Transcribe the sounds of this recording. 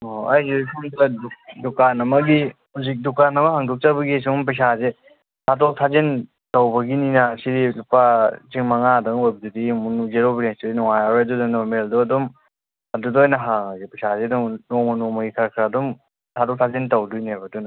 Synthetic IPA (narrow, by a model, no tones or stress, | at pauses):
oajzepʰumdɐdukdukanɐmɐɡihuzik̚dukanɐmɐɦaŋdɔk̚t͡ʃabɐɡijsɔŋmpɐjs̬aze | tʰatɔk̚tʰazen | tawbɐɡininɐsidilupat͡ʃiŋmɐŋadɐŋojbɐdudimunuzeɾobinestudinɔŋajaɾedudanɔɾmeldɔɐdɔm | ɐdudojnɐɦaŋazepɐsazedɔŋnɔmɔnɔmɐɡikʰaɾkʰɾadɔm | tʰatɔk̚tʰazentɐwdunajbɐdunɐ